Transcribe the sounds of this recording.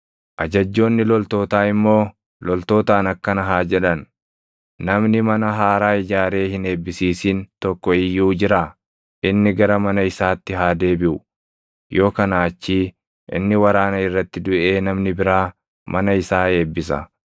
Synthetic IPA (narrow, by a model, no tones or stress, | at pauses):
ʔɐd͡ʒɐd͡ʒːo̞ːnːɪlɔlt̪o̞ːt̪aːɪmːo̞ː | lɔlt̪o̞ːt̪aːnɐkːɐnɐɦaːd͡ʒɛᶑɐnː | ɐmnɪmɐnɐɦaːɾaːɪd͡ʒaːɾe̞ːhɪne̞ːbːɪsiːsiːnt̪ɔkːɔɪjːuːd͡ʒɪɾaː | ʔɪnːɪɡɐɾɐmɐnɐɪsaːt̪ːɪɦaːd̪e̞ːbɪʔʊ | jo̞ːkɐnaːt͡ʃːiː | ʔɪ̰nːɪwɐɾaːnɐɪrːɐt̪ːɪd̪ʊʔe̞ːnɐmnɪbɪɾaː | mɐnɐɪsaːe̞ːbːɪs̬ɐ̰